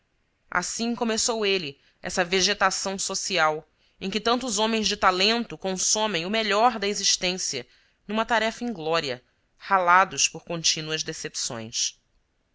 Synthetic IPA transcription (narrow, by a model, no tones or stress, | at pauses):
a̰sĩkomesowelɪ | ɛ̰sɐveʒet̪asɐ̃w̃sosiaw | ẽj̃kɪt̪ɐ̃nt̪ʊzõmẽj̃zd͡ʒɪt̪alẽnt̪ʊkõsõmẽj̃ʊmeʎɔɾd̪ɐeziʃt̪ẽsiɐ̰ | nũmɐt̪aɾɛfɐẽj̃ɡlɔɾiɐ̰ | halad̪ʊspʊɾkõnt͡ʃinuɐzd̪esepsõ̰j̃s